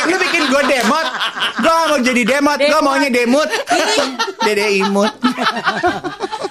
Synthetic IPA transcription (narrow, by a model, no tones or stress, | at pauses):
lubikɪnɡuadɛmɔt̪̚ɡuaaŋɔd͡ʒadidɛmɔt̪̚ɡuamaɔɲadɛmʊt̪̚ | dɛdɛimʊt̪̚